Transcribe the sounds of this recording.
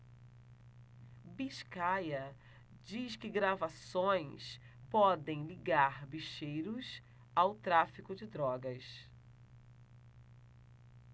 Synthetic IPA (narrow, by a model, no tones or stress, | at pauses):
biʃkajɐ | d͡ʒiskɪɡɾavasõj̃s | pɔd̪ẽj̃liɡaɾbiʃejɾʊs | awt̪ɾafikʊd͡ʒɪd̪ɾɔɡɐs